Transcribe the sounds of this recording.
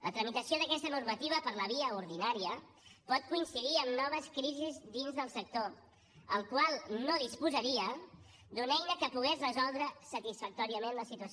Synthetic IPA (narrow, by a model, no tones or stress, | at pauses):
lʔət̪ɾəmit̪əsioðəkɛst̪ənuɾmət̪iβ̞əpəɾləβ̞iəuɾðinaɾiə | pɔt̪̚kuinsiðiəmnɔβ̞əskɾizizd̪inzðəlˠsək̚t̪o | əlˠkwalˠnoðispuzəɾiə | d̪unɛjnəkəpuɣɛzrəzɔlˠd̪ɾəsət̪isfək̚t̪ɔɾiəmenləsit̪uəs